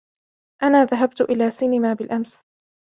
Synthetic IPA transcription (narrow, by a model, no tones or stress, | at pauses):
ʔanaːðaɦabt̪ʊʔɪlaːsɪnɪmaːbɪlʔams